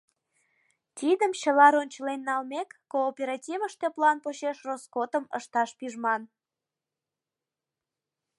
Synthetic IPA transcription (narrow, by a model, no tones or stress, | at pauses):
t̪id̪əmt͡ɕəlɑɾonʲt͡ɕəlenːɑlmekːoːpʲeɾɑtʲivəʃt̪eplɑnpoɕeʃroskot̪əməʃt̪ɑʃpiʒmɑn